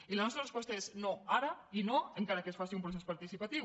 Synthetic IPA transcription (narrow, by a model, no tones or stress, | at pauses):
ilanɔst̪ɾarespwɔst̪aeznoaɾainoeŋkaɾakesfasiumpɾoθ̬espaɾt̪isipat̪iw